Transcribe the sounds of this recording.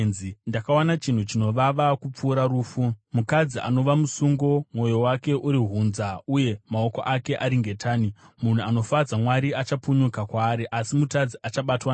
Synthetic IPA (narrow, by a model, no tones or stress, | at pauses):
zindakawanat͡ʃin̤ut͡ʃino̞ʋaʋakup͡fuːɾaɾuːfumukad͡ziʔa̰no̞ʋamusuŋɡo̞mwo̞jo̞wake̞ʔuɾiɦunzauje̞mao̞ko̞̰ʔake̞ʔaɾiŋɡe̞tʰaːnimun̤uano̞fad͡zamwaɾiat͡ʃapuɲukakwaːɾiʔasimutad͡ziʔat͡ʃaɓatwa